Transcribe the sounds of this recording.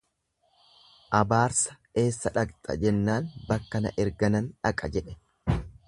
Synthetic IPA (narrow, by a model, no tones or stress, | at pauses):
ʔɐbaːɾsɐ̥ | e̞ːsːɐᶑɐkʼt̪ʼɐ̰d͡ʒɛnːaːnbɐkːɐnɐ̰ʔɛɾɡɐnɐnᶑɐkʼɐd͡ʒɛᶑɛ̥